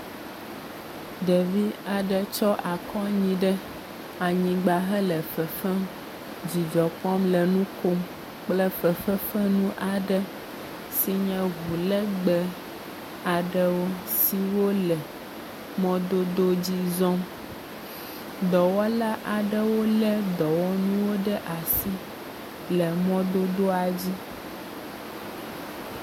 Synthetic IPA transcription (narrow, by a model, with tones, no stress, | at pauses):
d̪ə˨vi˦a˨ɖə˨t͡ʃɔ˦ʔa˨kɔ˦ɲĩ˨ɖə˦ | a˨ɲĩ˨ɡ͡ba˨ɦə˦lə˨fə˨fɛ˦m | d͡ʑi˨d͡ʒɔ˨k͡pɔ˦mlə˨nũ˦ko˦m | k͡plə˦fə˨fə˦fə˦nũ˦ʔa˨ɖə˦ | si˨ɲɛ̃˦ɣu˨lə˦ɡ͡bə˦ | a˨ɖə˦wo˦ | si˦wo˦lɛ˨ | mɔ̃˦d̪o˦d̪o˦d͡ʑi˦zɔ̃˦m | d̪ɔ˨wɔ˦la˦ʔa˨ɖə˦wo˦lɛ˦d̪ɔ˨wɔ˦nũũ˦wo˦ɖə˦ʔa˨si˦ | lɛ˨mɔ̃˦d̪o˦d̪o˦a˨d͡ʑi˦